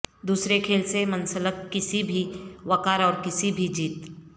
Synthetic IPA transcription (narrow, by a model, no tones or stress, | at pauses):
d̪uːsɾekʰeːlsemɐ̃nsələkːɪsibʱiʋɐkaːɾɔːɾkɪsibʱid͡ʒiːt̪